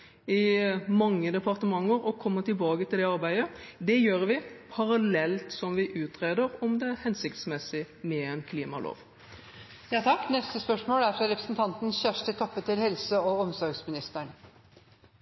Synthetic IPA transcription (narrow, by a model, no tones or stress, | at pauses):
ɪmɑŋːəd̪ɛpɑɾt̪əmɑŋːəɾɔkʰɔmːət̪ɪlbɑːɡət̪ʰɪld̪ɛɑɾbæɪəd̪ɛjøːɾʋɪpʰɑɾɑlɛlt̪sɔmʋɪʔʉːt̪ʰɾeːd̪əɾɔmd̪ɛæɾhɛnsɪkt̪smɛsːɪ | mɛɛnkʰliːmɑ̰lo̰ːʋ | jɑːt̪ʰɑkːnɛst̪əspœʂmoːlæɾfɾɑɾɛpɾəsnt̪ʰɑnt̪n̩çæʂʈət̪ʰɔpːət̪ɪlhɛlsəɔɔmsɔɾɡsmɪnɪst̪əɳ